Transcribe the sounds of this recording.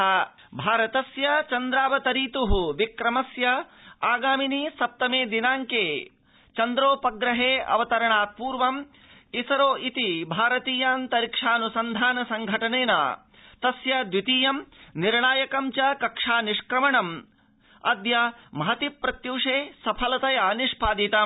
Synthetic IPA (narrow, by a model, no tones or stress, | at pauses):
bʱaːɾɐt̪ɐsjɐt͡ʃɐnd̪ɾaːʋɐt̪ɐɾiːt̪uɦuʋikɾɐmɐsjɐaːɡaːminisɐp̚t̪ɐmeːd̪inaːŋkeː | t͡ʃɐnd̪ɾoːpɐɡɾɐɦeːɐ̰ʋɐt̪ɐɾɐɳaːt̪̚puːɾʋɐm | isɐɾoːʔit̪ibʱaːɾɐt̪iːjaːnt̪ɐɾikʂaːnusɐnd̪ʱaːnɐsɐŋɡʱɐʈɐneːna̰ | t̪ɐsjɐd̪ʋit̪iːjɐmniɾɳaːjɐkɐmt͡ʃɐkɐkʂaːniʂkɾɐmɐɳɐm | ɐ̰d̪jɐmɐɦɐt̪ipːɾɐt̪juːʂeːsɐpʰɐlɐt̪ɐjaniʂpaːd̪it̪ɐ